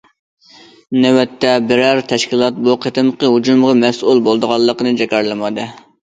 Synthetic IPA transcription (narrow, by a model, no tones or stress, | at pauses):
newɛt̪ʰːɛbɪɾæɾt̪ʰɛʃkʲilˠɑt̪̚buqʰət̪ɨmqəɦud͡ʒumʁɑmɛsʔulˠbolˠd̪əʁɑlˠːəqənɨd͡ʒɛkʲɑɾlˠɨmɑd̪ɨ